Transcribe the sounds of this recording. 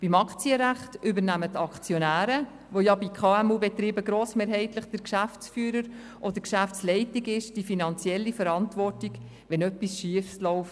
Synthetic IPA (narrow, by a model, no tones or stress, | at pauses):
b̥imɑkt͡siəɾæχtʔʏbəɾnæmətɑkt͡sjɔnæːɾə | ʋojɑbikʰχɑːɛmuːbɛt̪ɾiːbəɡɾoːsmeːɾɦɛɪtləχd̥əɾkʃæft͡sfyːɾəɾ | ʔɔd̥̪əɾkʃæft͡slɛɪtiɡɪʃd̥ifinɑnt͡sjɛlːifəɾɑntvɔrtiɡ | ʋɛnœpːisʃiəfslɔʊf